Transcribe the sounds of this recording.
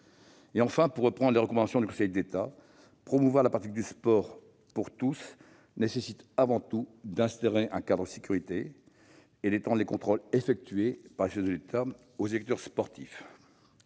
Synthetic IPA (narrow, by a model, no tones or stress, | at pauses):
eɑ̃fɛ̃puʁːəpχɑ̃d̪ʁleʁəkɔmɑ̃d̪asjɔ̃d̪ykɔ̃sɛjd̪et̪a | pχɔmuvwaʁlapat̪ik̚d̪yspɔʁ | puʁt̪us | nesesit̪avɑ̃t̪ud̪ɛ̃st̪aʁeʔɛ̃kad̪ʁəd̪əsekʲyʁit̪e | ed̪et̪ɑ̃d̪ʁlekɔ̃t̪χɔlefɛk̚t̪ɥepaʁleʃɛzd̪əlet̪ʰa | ozelɛk̚t̪œʁspɔʁt̪ʰif